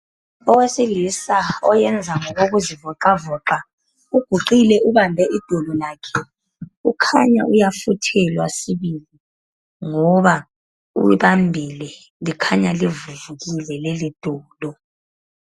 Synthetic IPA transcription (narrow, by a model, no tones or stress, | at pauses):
ɔwesilisaɔ̰jɛnd͡zʱaŋɔɣoɣuzivɔǃavɔǃa | uɡ̥ʱuǃilɛʔuβambʱɛʔid̥ʱɔlɔlaːkʰɛ | ukʰaɲa̰ʔujafutʰɛlwasiβili | ŋɔβa | ṵiβambʱilɛ | likʰaɲalivuvuɣilɛlelid̥ʱɔːlɔ